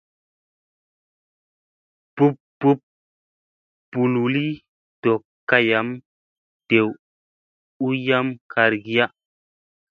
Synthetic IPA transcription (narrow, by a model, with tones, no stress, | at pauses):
b̥u˦pbu˦p̚ | b̥u˨lu˨li˦ | d̥o˨kːa˦ja˨˦m | d̥e˨w | u˦ja˦mkʰa˨ɾɡi˦ja˦